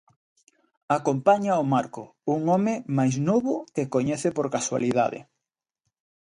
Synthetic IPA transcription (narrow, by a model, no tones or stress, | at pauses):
akompaɲaomaɾkʊ | uŋɔmɪmajznoβʊkekoɲɛθepoɾkaswa̰liða̰ðḛ